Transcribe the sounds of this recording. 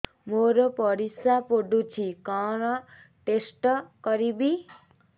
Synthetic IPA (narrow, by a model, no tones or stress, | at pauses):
moɾopʌɾisapoɖut͡sʰikaɾʌ | ʈesʈkʌɾibi